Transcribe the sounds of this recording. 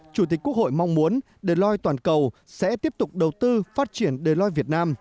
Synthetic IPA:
t͡ɕu˨˧˩t̪̬i̟˨˩kːu˦˥ək̚ho̰˧˨jma˧wŋ͡mmu˨˦ən | ɗəː˨˩lɔ˧jt̪waː˨˩nkə˨˩w | sɛ̰˧˥t̪i˦˥əp̚t̪ʊ˨˩k͡p̚ɗə˨˩wt̪ɨ˧faː˦˥t̚t͡ɕi˧˩ənɗəː˨˩lɔ˧jvi˨˩ət̚naː˧m

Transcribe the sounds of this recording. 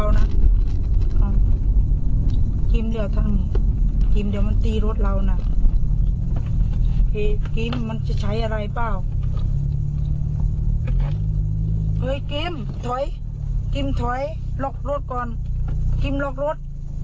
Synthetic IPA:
wna˧˨n | ɔ˧ | ki˧mdi˧˩ə˨wt̪ʰa˧˨n˧ki˧˩mdi˧˨wma˧˥˨nt̪iː˧˩ɾo˧˥t̪̚la˧wna˧ | kʰiː˧˩ki˧˥mːa˧˥˨nt͡ɕa˧˩t͡ɕʰa˧˥jʔa˧ɾa˧jpaː˧˩˨w | ʔɤː˧˥˨jki˧˥m | t̪ʰɔ˨˦j | ki˧˨mt̪ʰɔ˨˦j | lɔː˧˩k̚ɾo˧˦t̪̚kɔː˧nki˧˥˨mlɔː˧k̚ɾo˧˥t̪̚

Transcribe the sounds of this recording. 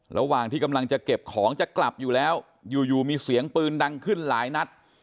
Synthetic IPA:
ɾʔa̰˧waː˨˩ŋt̪ʰiː˥˩ka˧mla˧ŋt͡ɕa˨˩ke˨˩p̚kʰɔː˩˦ŋt͡ɕa˨˩kla˨˩p̚juː˨˩lɛː˦˥w | juː˨˩juː˨˩miː˧si˨˩˦əŋpɯː˧nda˧ŋkʰɯ˥˩nlaː˩˦jna˦˥t̪̚

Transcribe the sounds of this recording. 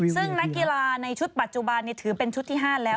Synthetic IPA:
sɯ˥˩ŋna˦˥kːi˧laː˧na˧jt͡ɕʰu˦˥t̪̚pa˨˩t̪̚t͡ɕu˨˩ba˧nːiː˥˩t̪ʰɯː˩˦pe˧nt͡ɕʰu˦˥t̪ʰːiː˥˩ɦaː˥˩lɛː˦˥w

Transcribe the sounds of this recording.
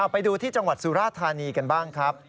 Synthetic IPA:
a˨˩wpa˧jduː˧t̪ʰiː˥˩t͡ɕa˧ŋwa˨˩t̪̚su˨˦ɾaː˥˩t̪ʰːaː˧niː˧ka˧nbaː˥˩ŋkʰɾa˦˥p̚

